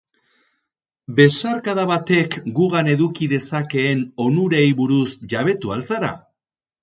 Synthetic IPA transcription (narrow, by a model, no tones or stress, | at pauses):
be̞saɾkaðaβat̪e̞kɡuɣane̞ðukiðe̞sake̞ːno̞nuɾe̞jβuɾusʝaβe̞t̪ualsaɾa̰